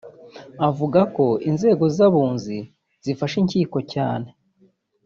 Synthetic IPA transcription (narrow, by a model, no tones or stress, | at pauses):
avuɡako̞inze̞ːɡo̞zaβuːnzi | z̥ifaʃiɲciːko̞caːne̞